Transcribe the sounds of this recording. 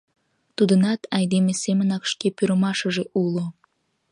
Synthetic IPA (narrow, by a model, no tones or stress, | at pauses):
t̪ud̪ənɑt̪ɑjd̪emesemənɑkʃkepøɾəmɑʃəʒeʔulo